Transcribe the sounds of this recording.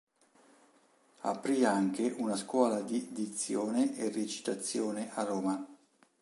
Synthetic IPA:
a̰pɾiaŋkeʔunaskwɔːlad̪id̪it̪sːjoːneʔeret͡ʃi̥t̪at̪sːjɔːneʔaroːma

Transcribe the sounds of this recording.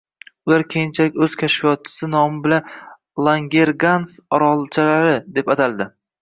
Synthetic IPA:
ʊlaɾkʲʰejɪnt͡ʃʰalɪkʲɵz̥kʲʰaʃfijɒt̪̚t͡ʃʰːɪ̥sɪnɒmɪbɪlan | lˠaŋɡʲe̞ɾɡansɒɾɒlˠt͡ʃʰalaɾɪd̪e̞pat̪ʰald̪ɪ

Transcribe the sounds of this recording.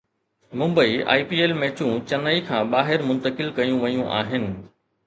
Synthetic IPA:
mʊ̃mbəia̰ːipiːeːlmeːt͡ɕũt͡ɕɐnəikʰãːɓaːɦɪɾmʊ̃nt̪əkɪlkɐjũʋɐjũʔa̰ːɦɪnɪ̆

